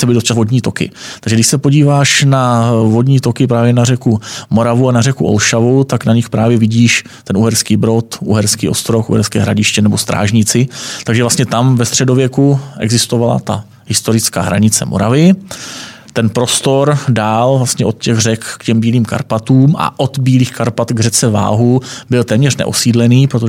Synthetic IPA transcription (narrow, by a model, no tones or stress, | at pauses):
sɛbɪdost͡ʃavo̞dɲiːt̪o̞kɪ̰t̪aɡʒɛɡdɪʃsɛpo̞ɟiːvaːʃnavodɲiːt̪o̞kɪpɾaːvjɛnarɛkumo̞ɾavuanarɛkuʔo̰lʃavut̪aknaɲɪxpɾaːvjɛvɪɟiːʃtt̪ɛnuɦɛɾskiːbɾo̞t̪ʔuɦɛɾskiːʔo̞st̪ɾo̞xʔṵɦɛɾskɛːɦɾa̰ɟɪʃcɛnɛbo̞st̪ɾa̰ːʒɲɪt͡sɪt̪aɡʒɛvlast̪ɲɛt̪amvɛst̪r̝̥ɛdo̞vjɛkuʔɛ̰ɡzɪst̪ovala̰t̪a | ɦɪst̪o̞ɾɪt͡ska̰ːɦɾa̰ɲɪt͡sɛ̰mʔoɾavɪ | t̪ɛnpɾo̞st̪oɾdaːlvlast̪ɲɛo̞t̪̚cɛɣrɛkːcɛmbiːliːmka̰ɾpat̪uːmʔa̰ʔot̪biːliːxkaɾpat̪ɡrɛt͡sɛva̰ːɦubɪlt̪ɛːmɲɛr̝nɛ̰ʔosiːdlɛniːpɾot̪o